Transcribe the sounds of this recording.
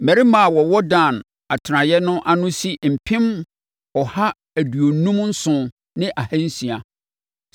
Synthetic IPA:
mɛ̃˨ɾi˦mã˨wɔ˨wɔ˦dã˨n | a˨tʰã˨jɛ˦nʊ̃˦ʔa˦nʊ̃˦si˦m̩˨pʰɪ̃˦m | ɔ˨ha˦ | æ˨du˨o˨nũ˦mn̩˦sʊ̃˦ | nɪ̃˦ʔa˨hæ̃˦n̩˦sĩ˨a˨

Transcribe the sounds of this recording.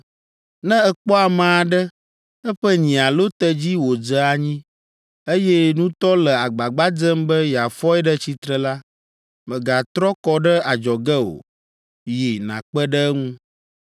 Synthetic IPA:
nɛ̃˦ɛ˨k͡pɔ˦a˨mã˨a˨ɖə˦ | ɛ˦ɸə˦ɲĩ˨a˨lo˦t̪ə˦d͡ʑi˦wo˨d͡ʒə˦a˨ɲĩ˦ | e˦jɛ˦nũ˦t̪ɔ˦lə˨a˨ɡ͡ba˨ɡ͡ba˦d͡ʒə˦mbə˦ja˨fɔ˦ɛ˦ɖə˦t͡ɕi˦t̪ɾə˨la˦ | mɛ̃˨ɡa˨t̪ɾɔ˦kɔ˦ɖə˦a˨d͡ʒɔ˨ɡɛ˦o̰˨ | je˨nã̰˨k͡pə˦ɖə˦ŋũ˦

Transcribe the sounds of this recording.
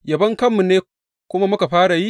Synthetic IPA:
jɐ˨bɐ˦ŋkɐ˦mːu˨nːeː˦ | kʷʊ˦ma˦mʊ˦ka˨ɸaː˦ɽa˨ji˦

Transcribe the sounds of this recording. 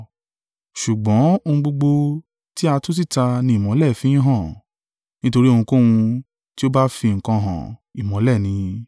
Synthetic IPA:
ʃu˨ɡ͡bɔ̃˨˦o˧hũ˧ɡ͡bo˧ɡ͡bo˧ | ti˦a˧to˦s̬i˦˨ta˧nĩ˧˦˨mɔ̃˨˦lɛ˦˨fĩ˦ĩ˦ɦã˦˨ | nĩ˦to˧ɾi˦o˧hũ˧ko˦wũ˧ | ti˦o˦ba˦fi˧ŋ̩˨kã˧ɦã̰˨i˨mɔ̃˨˦lɛ˦˨nĩ˧

